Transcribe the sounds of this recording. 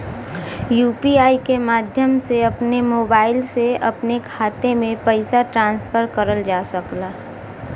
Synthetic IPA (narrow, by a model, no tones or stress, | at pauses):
juːpiaːikemaːd̪ʱjəmseɐpnemoːbaːɪlseɐpnekʰaːt̪emẽpəɪsaʈɾãːnsfʰəɾkəɾəld͡ʒaːsəklaː